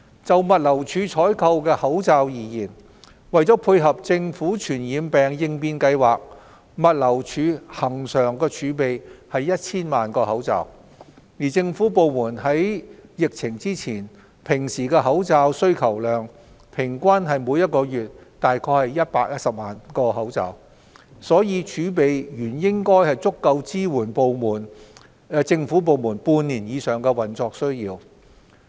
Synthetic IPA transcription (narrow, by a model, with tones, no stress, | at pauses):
t͡sɐ˨wmɐ˨t̚lɐ˨˩wt͡ʃʰyː˨˥t͡ʃʰɔː˨˥jkʰɐ˧wkɛː˧hɐ˨˥wt͡saː˧wjiː˨jiː˨˩n | wɐ˨jt͡sɔː˨˥pʰuː˧jɦɐ˨p̚t͡sɪ˧ŋfuː˨˥t͡ʃʰyː˨˩njiː˨˥mpɛː˨˩ŋjɪ˧ŋpiː˧nkɐ˧jwaː˨k̚ | mɐ˨t̚lɐ˨˩wt͡ʃʰyː˨˧˥hɐ˨˩ŋsœː˨˩ŋkɛː˧t͡ʃʰyː˨˧˥pe˨jhɐ˨jːɐ˥t̚t͡sʰiː˥nmaː˨nkɔː˧hɐ˨˥wt͡sa̰ː˨w | jiː˨˩t͡sɪ˧ŋfuː˨˥po˨wmuː˨˩nɦɐ˨˥jjɪ˨k̚t͡sʰɪ˨˩ŋt͡siː˥t͡sʰiː˨˩n | pʰɪ˨˩ŋsiː˨˩kɛː˧ɦɐ˨˥wt͡saː˧wsɵ˥ɥkʰɐ˨˩wlœː˨ŋ | pʰɪ˨˩ŋkʷa˥nɦɐ˨jmuː˨˧jɐ˥t̚kɔː˧jyː˨t̚t̪aː˨jkʰɔː˧jhɐ˨jɐ˥t̚paː˧k̚jɐ˥t̚sɐ˨p̚maː˨nkɔː˧ɦɐ˨˥wt͡sɐ̰ː˨˧w | sɔː˨˥jiː˨˧t͡ʃʰyː˨˥p̬e˨jjyː˨˩njɪ˥ŋkɔː˥jhɐ˨jt͡sʊ˥kːɐ˧wt͡siː˥wuː˨˩npo˨wmuː˨˩n | t͡sɪ˧ŋfuː˨˥p̬o˨˧wmuː˨˩npuː˧nniː˨˩njiː˨˧sœː˨˩ŋkɛ˧wɐ˨˩nt͡sɔː˧k̚sɵ˥ɥjiː˧w